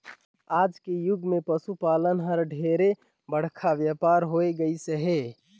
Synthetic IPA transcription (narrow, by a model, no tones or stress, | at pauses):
aːd͡ʒkejʊɡmepəsupaːlənɦəɾɖʱeɾe | bəɽ̤kʰaʋjapaɾɦoeɡəiseɦe